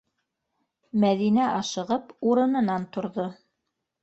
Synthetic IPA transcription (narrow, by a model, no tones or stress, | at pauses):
mæðinæʔɑʃɤ̆ʁɤpuɾɤ̆nɤ̆nɑnt̪ŏɾðo